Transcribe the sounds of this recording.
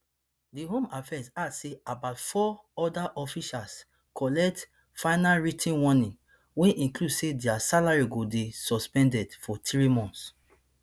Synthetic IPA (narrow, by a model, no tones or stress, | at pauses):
diɦõmafɛsadseabaʊtfɔɔdaʔɔfiʃals | kʰɔlɛk̚t | fãɪnalɹitʰĩnwɔnĩn | wɛ̃ʔĩkludsedɛasalaɹiɡodesɔspɛ̃ndɛdfɔtɹimɔ̃nts